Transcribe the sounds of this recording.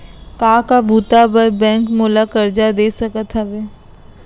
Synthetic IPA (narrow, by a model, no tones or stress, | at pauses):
kaːkabʱuːt̪abəɾbɛ̃ːŋkmoːlakəɾd͡ʒad̪eːsɐkət̪ɦɛbeː